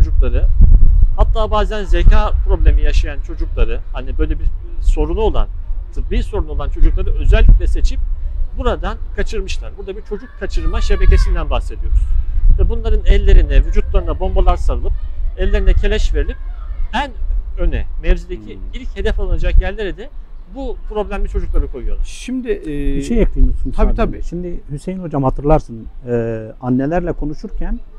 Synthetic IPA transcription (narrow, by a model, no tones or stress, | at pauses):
od͡ʒuklˠaɾɯhat̪ʰːaːbaːzænze̞cʰaːpɾo̞blʲe̞mijaʃajant͡ʃʰo̞d͡ʒuklˠaɾɯhanibø̞jlʲebiɾso̞ɾunuo̞lˠa̰nt̪ʰɯtbiso̞ɾunuo̞lˠant͡ʃʰo̞d͡ʒuklˠaɾɯø̞zɛlʲːicʲlʲɛse̞t͡ʃʰip̚buɾad̪ankʰat͡ʃʰɯɾmɯʃlˠaɾbuɾd̪abiɾt͡ʃʰo̞d͡ʒuk̚kʰːat͡ʃʰɯɾmaʃe̞becʰe̞sind̪ænbaxsed̪ijo̞ɾuz̥vɛbunlˠaɾɯnɛlʲːe̞ɾinɛvyd͡ʒut̪̚lˠaɾɯnabo̞mbalˠaɾsaɾɯlˠɯp̚ɛlʲːe̞ɾinɛcʰe̞lʲɛʃveɾilʲip̚ænønɛ̰mɛvzid̪ecʰiilʲche̞d̪ɛfalˠanad͡ʒakjælʲlʲːeɾɛd̪ɛ | bupʰɾo̞blʲæmlʲit͡ʃʰo̞d͡ʒuklˠaɾɯkʰo̞jujo̞̰laʃimd̪ɪiʃejak̪̚ɯjmosunʰaabʃimd̪ihysejinho̞d͡ʒamhat̪ʰɯɾlˠaɾsɯnɯː | anːelʲæɾlʲɛkʰo̞nuʃuɾcʰæn